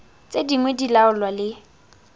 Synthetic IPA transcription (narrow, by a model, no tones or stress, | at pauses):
t͡sʼediŋwɛdilaʊlwalɪ